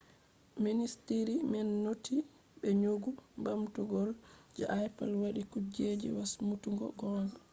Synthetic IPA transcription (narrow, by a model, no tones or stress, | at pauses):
ministiɾimɛnːotʰi | ɓɛɲoɡumbamtuɡɔld͡ʒɛʔajpalwaɗikud͡ʒed͡ʒḭwasmutuŋɡɔ̰ɡɔn